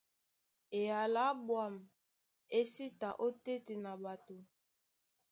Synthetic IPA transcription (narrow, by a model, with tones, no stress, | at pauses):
e˨ja˨la˨˦bwa˦˨m˨ | e˦si˦ta˨ʔo˦te˦ti˨na˨ba˨to˨